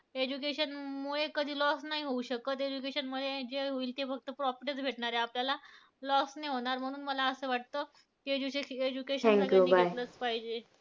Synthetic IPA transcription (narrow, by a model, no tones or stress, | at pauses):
ed͡ʑukeɕənmuɭekəd̪ʱiːlɔsnaɦiɦouɕəkət̪ed͡ʑuk̬eɕənməd̪ʱːjed͡ʑeɦoiːlt̪efəɡ̚t̪əpɾɔpəʈet͡sbʱeʈɳaɾeapljala | lɔsneɦoɽ̃aɾm̤əɽ̃uːnməlaəsəʋaʈ̚t̪ə | kied͡ʑuəed͡ʑukeɕəɛ̃m̃ŋk̪ːjunibʱajlət͡spaɦid͡ʑe